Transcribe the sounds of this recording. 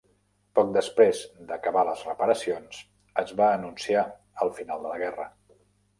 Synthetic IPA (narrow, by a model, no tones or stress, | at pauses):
pɔk̚d̪əspɾezd̪əkəβaləzrəpəɾəsions | əzβaːnunsia | əlˠfinalˠd̪ələɣɛrə